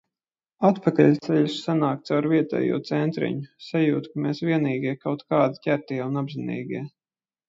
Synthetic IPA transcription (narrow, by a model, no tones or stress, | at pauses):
at̪pakaʎʲt̪sɛʎussanaːkt̪sawɾviɛt̪ɛ̰ːjṵɔt̪sɛnt̪ɾḭɲʊsajuːt̪kameːsvʲiɛniːɡiɛkawt̪kaːd̪icʲæɾt̪iɛunabzinḭːɡʲiɛ